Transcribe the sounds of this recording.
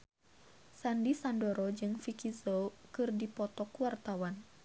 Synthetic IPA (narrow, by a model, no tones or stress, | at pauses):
sandisandɔɾɔd͡ʒɨŋfikizokɨrdipɔt̪ɔkuwart̪awan